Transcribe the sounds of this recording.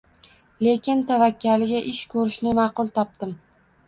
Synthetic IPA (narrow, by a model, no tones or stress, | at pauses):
le̞kʲɪnt̪ʰavakʲːalɪɡʲaʔɪʃkʰɵɾɪʃnɪmɑqʊlˠt̪ʰɒp̚d̪ɪm